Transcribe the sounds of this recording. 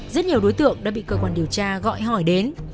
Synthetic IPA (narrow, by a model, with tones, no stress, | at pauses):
zə˦˥t̚ɲi˨˩əwɗo˨˦jt̪ɨ̰˧˨əŋɗa̰ː˧˥ɓḭ˧˨kəː˧kwaː˧nɗi˨˩əwt͡ɕaː˧ɣɔ̰˧˨jɦɔ˧˩jɗe˨˦n